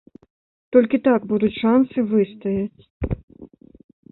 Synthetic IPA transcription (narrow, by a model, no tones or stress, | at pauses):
t̪ɔlʲkʲit̪aɡbud̪ut͡sʲʂansɨvɨst̪ɐjɐt͡sʲ